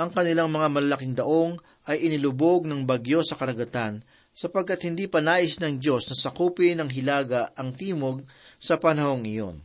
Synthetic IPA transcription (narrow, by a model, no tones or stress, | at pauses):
ʔɐŋkɐnɪlaŋmɐŋamɐlɐlɐkɪŋd̪ɐʔo̞ŋ | ʔɐjʔɪnɪlʊboɡ̚nɐŋbɐɡjo̞sɐkɐɾɐɡɐt̪an | sɐpɐɡ̚kːat̪̚hɪnd̪ipɐnaːʔɪsnɐŋd͡ʒo̞snɐsɐkuːpɪnɐŋɦɪlaːɡɐɐŋt̪iːmo̞ɡ̚ | sɐpɐnɐho̞ŋɪjo̞̰n